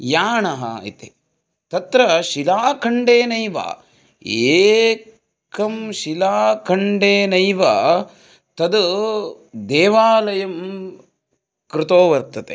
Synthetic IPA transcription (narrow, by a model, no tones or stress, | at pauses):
jaːɳɐɦɐ̰ḭt̪e | t̪ɐt̪ɾɐʃilaːkʰɐɳɖeːnɐjʋa̰ː | eː | kɐmʃilaːkʰɐɳɖeːnɐjʋɐ | t̪ɐd̪ | d̪ɛːʋaːlɐjɐm | kɾɪt̪oːʋɐɾt̪ɐt̪e